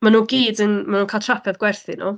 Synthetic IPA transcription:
manuːɡiːdənmanuːnkʰaːltʰrapʰɛðɡwɛrθɪnɔ̰

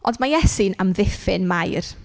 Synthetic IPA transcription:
ʔɔndmajɛsinamðɪfɪnmajr

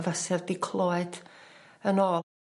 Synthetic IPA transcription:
vasɛrdɪkʰlˠoːɨd̥ | ənɔː

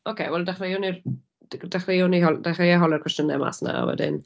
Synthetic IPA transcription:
ɔkʰeːwɛlˠdaχrejʊnir | d̥aχrejʊniɦɔld̥aχejaɦɔlˠɛrkʰwɛstənɛma̰sna̰wɛ̰dɪ̰n

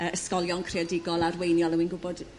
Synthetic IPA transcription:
əʔəskɔljɔnkʰreadɪɡɔlˠarwejnjɔlˠəwinɡʊbɔd

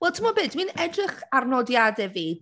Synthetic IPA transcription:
wɛlˠtʰɪmɔbɨːdminɛdrɨχarnɔdjadɛviːd̥

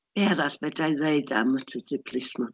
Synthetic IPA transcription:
b̥ɛɾaɬb̥ɛdajðeɨda̰mətʰədɨpʰrɪsmɔ

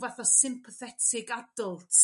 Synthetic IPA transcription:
vɛθɔsɪmpʰəθɛtʰɪɡadʊlˠtʰ

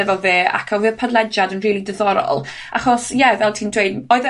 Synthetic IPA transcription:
ɛvɔveːa̰kʰɔwvɨpʰadlˠɛd͡ʒadənriːlˠidəðɔɾɔ̰lˠ | a̰χɔsjɛvɛlˠtʰiːndweɨdɔɨð

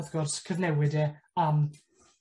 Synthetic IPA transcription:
ðɡɔrskʰəvnɛwɪdɛam

